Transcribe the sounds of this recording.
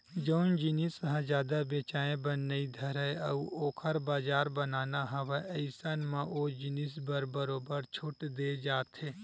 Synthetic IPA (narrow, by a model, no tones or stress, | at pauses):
d͡ʒəʊnd͡ʒɪnisɦɛ̃d͡ʒjaːd̪abeːt͡ʃaːẽbɐnːəid̪ʱɐɾɦeɐuoːkʰəɾbaːd͡ʒaːɾbɐnaːnaɦɐʋeʔəɪsanmãʔod͡ʒɪnisbɐɾbɐɾoːbəɾt͡ʃʰʊʈd̪eːd͡ʒaːt̪ɦeː